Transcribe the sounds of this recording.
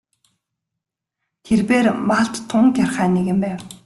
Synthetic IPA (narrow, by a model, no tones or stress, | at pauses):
t̪ʰerpeːrmaɬt̪ʰːʊŋkʲjarχæːneɣɘ̆mpæːw